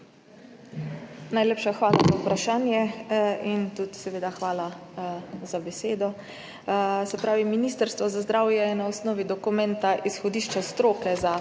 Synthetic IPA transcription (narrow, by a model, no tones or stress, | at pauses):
najleːpʃaxʋaːlazaupɾaʃaːnjɛint̪ut̪sɛʋeːd̪axʋaːla | zabɛseːd̪ɔ | sɛpɾaːʋiminiːst̪əɾst̪ʋɔzazd̪ɾaːwjɛnaɔsnɔːʋid̪ɔkumɛ̃nt̪aʔisxɔd̪iːʃt͡ʃast̪ɾoːkɛza